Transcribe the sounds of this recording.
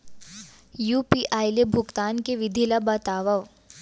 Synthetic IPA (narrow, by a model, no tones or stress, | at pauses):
juːpiʔaːjlebʱʊɡt̪aːnkeʋɪd̪ʱilabat̪aːʋɐʋ